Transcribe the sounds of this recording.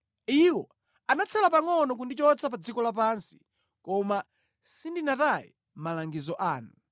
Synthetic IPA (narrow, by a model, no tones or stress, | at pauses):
iwɔ | anat͡sʰɛlap̬aŋɔnɔk̬undit͡ʃɔt͡sap̬ad͡zikɔlap̬ansi̥ | kɔma | sindinatajḭ | m̩malaŋɡizɔʔaːnu